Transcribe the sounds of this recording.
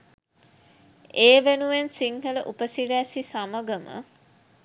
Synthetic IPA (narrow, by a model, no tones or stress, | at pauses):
eːʋenuʋensiŋhələʔupəsiɾæːsisaməɡəmə̰